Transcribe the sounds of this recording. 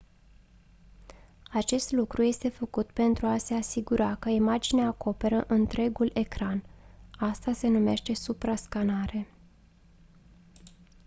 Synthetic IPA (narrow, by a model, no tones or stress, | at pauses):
at͡ʃe̞st̪lukɾuje̞st̪e̞fəkut̪pe̞nt̪ɾuase̞asiɡuɾakəimad͡ʒineaːko̞pe̞ɾəʔɨnt̪ɾe̞ɡule̞kɾanast̪ase̞nume̞ʃt̪e̞supɾaskanaɾe̞